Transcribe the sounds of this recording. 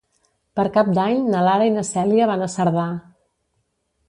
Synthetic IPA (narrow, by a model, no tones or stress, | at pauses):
pəɾkap̚d̪aɲnəlaɾəinəsɛliəβanəsəɾða